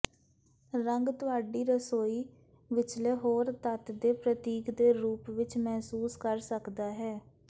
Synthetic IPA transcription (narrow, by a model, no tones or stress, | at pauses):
ɾəŋɡt̪ʊaːɖiːɾəsoːiː | ʋɪt͡ʃleːɦoːɾt̪ət̪d̪eːpɾət̪iːkd̪eːɾuːpʋɪt͡ʃmɛːsuːskəɾsəkd̪aːɦɛː